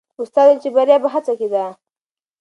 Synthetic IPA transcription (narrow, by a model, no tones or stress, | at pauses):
ʊst̪ɑd̪ant͡ʃebaɾjabaɦat͡saked̪a